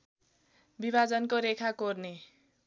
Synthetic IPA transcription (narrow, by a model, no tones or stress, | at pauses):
bibad͡zʌnkoɾekʰakorne